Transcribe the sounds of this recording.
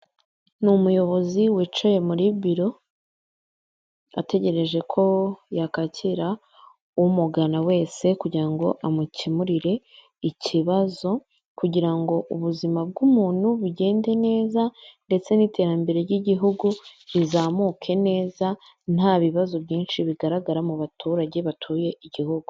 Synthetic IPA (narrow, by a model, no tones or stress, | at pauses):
numujo̞βo̞ziwiːt͡ʃoje̞muɾibiɾo̞ | a̰te̞ɟe̞ɾe̞ʒe̞kʰo̞jakacʰiɾa | umuɡanawe̞ːse̞kuɟiɾaŋɡo̞ʔamucimuɾiɾe̞ | iciβazo̞ | kuɟiɾaŋɡo̞ʔuβuzimab̚ɡumuːn̥huβuɟe̞ːnde̞ne̞ːzande̞t͡se̞niːte̞ɾambe̞ɾe̞ɾjiɟiɦuɡuizaːmukʰe̞ne̞ːza | n̥haβiβazo̞βɟiːnʃiβiɡaɾaɡaɾamuβatʰuːɾaɟe̞βatʰuːje̞iɟiɦuɡ̥u